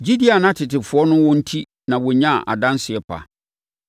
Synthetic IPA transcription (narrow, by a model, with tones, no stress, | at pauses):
d͡ʑi˦di˦a˨nã˦tʰɪ˨tɪ˨fʊ˨˦ɔ˦nʊ̃˦wɔ̃˦n̩˦tʰi˦ | nã˨wɔ˨ɲã˦˨ʔa̰˨dã˦nsɪ˨ɛ˨pʰa̰˨